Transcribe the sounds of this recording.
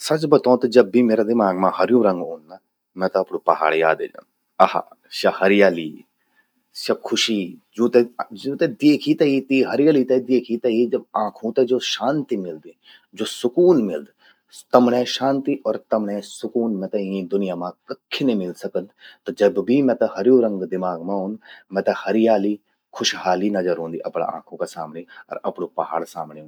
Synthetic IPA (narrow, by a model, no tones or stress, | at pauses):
sɐt͡ʃbɐt̪õːt̪ɐd͡ʒɐbːimeːɾad̪ɪmaːɡmãhɐɾjũːɾɐ̃ŋɡõːnnɐ | mɛ̃t̪ɐɐpnũːpɐɦa̰ːɽja̰ːd̪ḛːd͡ʒã̰ | ɐha̰ː | ʃɐhɐɾɪjaːlḭː | ʃɐkʰʊʃiːd͡ʒũːt̪ed͡ʒũːt̪ed̪eːkʰit̪ɐit̪iɦɐɾɪjaːlit̪ɐid̪eːkʰit̪ɐɦid͡ʒɐb̚ãːkʰũt̪ɛd͡ʒoːʃaːnt̪imɪld̪ | d͡ʒoːsʊkuːnmɪld̪ | t̪ɐmɳẽʃãːnt̪iʔɔːɾt̪ɐmɳɛ̃sʊkuːnmɛ̃t̪ɐĩd̪ʊnɪjaːmãkɐkʰːinẽmɪlsɐkəd̪t̪od͡ʒɐbbʱimɛ̃t̪ɐhɐɾjõːɾɐ̃ŋɡd̪ɪmaːɡmãɦʊ̃ːnd̪mɛ̃ːt̪ɐhɐɾɪjaːli | kʰʊʃɦaːlinɐzəɾɦõːnd̪iːʔɐpɳa̰ã̰ːkʰõkasa̰ːmneɔ̰ːɾɐpɳopɐɦa̰ːɽsa̰ːmneɦũ